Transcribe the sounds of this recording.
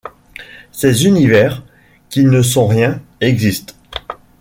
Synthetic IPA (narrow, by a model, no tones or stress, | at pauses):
sezynivɛʁ | kʲinəs̬ɔ̃ʁjɛ̃ɛɡzist̪